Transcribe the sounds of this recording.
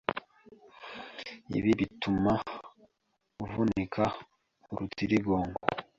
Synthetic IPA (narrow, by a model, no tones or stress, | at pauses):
ḭβiβituma | uvunikʰa | uɾutiɾiɡo̞ːŋɡo̰